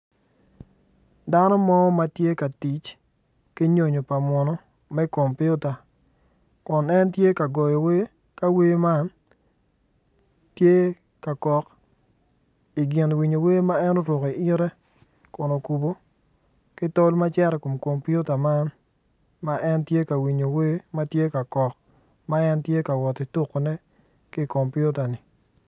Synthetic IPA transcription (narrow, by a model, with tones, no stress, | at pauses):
da˦nɔ˦mɔ˦ma˦tje˦ka˨ti˨t͡ʃ | ki˦ɲo˨ɲo˨pa˨mwɔ˨nɔ˦ | mɛ˦ko˨mpju˦ta˨ | kʊ˨nɛ˦ntje˦ka˨ɡɔ˨jɔ˨we˦ | ka˦we˦ma˦n | tje˦ | ka˨kɔ˨k | i˨ɡɪ˨nwi˨ɲo˨we˦ma˦ɛ˦no˦ɾʊ˨ki˨ɪ˦ɾɛ˦ | ko˨no˨ku˨bo˨ | kɪ˦to˦lma˦t͡ʃɛ˦ɾɛ˨ko˨mko˨mpju˦ta˨ma˦n | ma˦ʔɛ˦ntje˦ka˨wi˨ɲo˨we˦ma˦tje˦ka˨kɔ˨k | ma˦ɛ˦ntje˦ka˨wɔ˨ti˨tu˦kːo˨nɛ˦ | kɪ˦˨ko˨mpju˦ta˨nɪ˨